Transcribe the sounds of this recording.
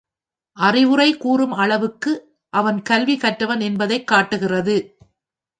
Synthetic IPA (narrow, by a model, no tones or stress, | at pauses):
ʔɐrɪʋɯrɐɪkuːrɯmɐɭɐʋɯkːɯ | ʔɐʋɐnkɐlʋikɐʈːɐʋɐnɛnbɐðɐɪkːaːʈːɯɣɪrɐðɯ